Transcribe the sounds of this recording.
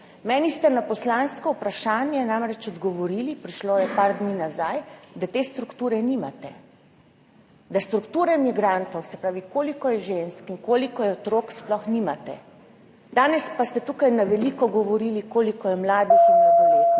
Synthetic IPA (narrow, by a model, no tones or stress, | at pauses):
mɛːnist̪ɛnapɔslanskɔwpɾaʃaːnjɛnamɾɛt͡ʃɔd̪ɡɔʋɔɾilipɾiʃlojɛpaːɾd̪niːnazajd̪at̪eːst̪ɾukt̪uːɾɛnimat̪ɛ | d̪ast̪ɾukt̪uːɾɛmiɡɾant̪ɔwsɛpɾaːʋikoːlikɔjɛʒenskinkoːlikɔjɛɔt̪ɾoːksplɔxnimat̪ɛ̰ | d̪aːnɛspast̪ɛt̪ukajnaʋɛliːkɔɡɔʋɔɾilikoːlikɔjɛmlaːd̪ixɔɾet̪